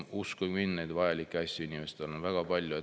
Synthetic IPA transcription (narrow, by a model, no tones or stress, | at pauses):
uskuminːejd̪vɑjɑlʲikkːˑeɑsʲːuynʲimest̪elonvæɡ̥ɑpɑlʲjue